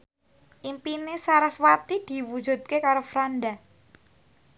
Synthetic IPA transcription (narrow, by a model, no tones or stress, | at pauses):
ʔimpinesaɾaswat̪id̪̥i̤wud̥d͡ʒ̥ṳt̪̚kekaɾofɾanɖa